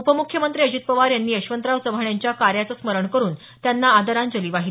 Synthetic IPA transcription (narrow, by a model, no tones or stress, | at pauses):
upəmukʰjəmənt̪ɾiːəd͡ʑit̪̚pəʋaɾjanːiːəɕʋənt̪ɾaʋt͡səbʱaɳjaɲt͡ɕjakaɾjat͡səsməɾəɳkəɾuːn | t̪janːaːd̪əɾand͡ʑəliːʋaɦi